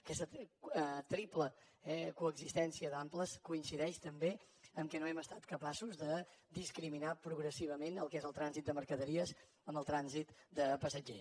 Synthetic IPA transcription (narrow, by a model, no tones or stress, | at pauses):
əkɛst̪ə | t̪ɾiplə | ɛkuəɡzist̪ɛnsiəðampləskuinsiðɛʃt̪əmbe | əmkɛnoɛməst̪at̪kəpasuzðəd̪iskɾiminapɾuɣɾəsiβəmenəlˠkɛzəlˠt̪ɾanzit̪̚d̪əməɾkəðəɾiəz | əməlˠt̪ɾanzit̪d̪əpəsəd͡ʒe